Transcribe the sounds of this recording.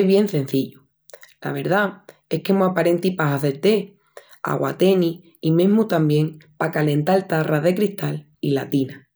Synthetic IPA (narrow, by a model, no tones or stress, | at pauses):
βje̞n̟θẽ̞n̟θiʎu | la̰β̞e̞ɾða | e̞hkemoapaɾe̞nt̪ipaɦaθeɾt̪e̞ | a̰ɣwa̰t̪e̞ni | imẽ̞ɦmut̪ambje̞ŋpakale̞nt̪alt̪arʔaðe̞kɾiht̪al | ilat̪ina